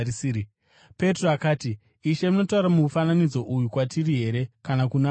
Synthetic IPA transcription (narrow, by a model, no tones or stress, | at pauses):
si | pe̞troakaːti | iʃe̞mino̞tauɾamufananid͡zo̞ʔujukwatiriɦe̞ɾe̞kanakuna